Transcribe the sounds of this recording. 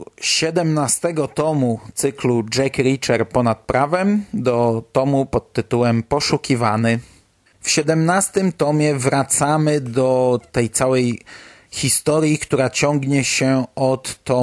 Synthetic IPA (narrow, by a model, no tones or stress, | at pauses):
ɕɛd̪ɛmnast̪ɛɡɔt̪ɔmut̪sɘklud͡ʐɛkɾʲit͡ʂɛɾpɔnat̪̚pɾʔavɛmd̪ɔt̪ɔmupɔt̪ːɘt̪uwɛmpɔʂukʲivanɘ | fɕɛd̪ɛmnast̪ɘmt̪ɔmʲjɛvɾat̪samɘd̪ɔt̪ɛjt̪sawɛj | xʲist̪ɔɾʲjikt̪uɾat͡ɕɔŋɡɲɛɕɛɔt̪ːɔ